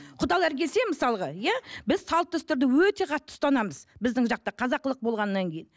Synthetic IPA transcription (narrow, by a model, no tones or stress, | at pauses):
qʰʊd̪ɑlˠæɾkʲe̞se̞məsɑlˠəʁɑjæbɪzsɑlˠt̪ːʏst̪ɪɾd̪ɪwɵt̪e̞qʰɑt̪ːə̥st̪ɑnɑməzbɪzd̪ɪŋʒɑq̚t̪əqʰɑzɑqːəlˠəq̚bo̞lˠʁɑnːɑŋkʲʰe̞jɪn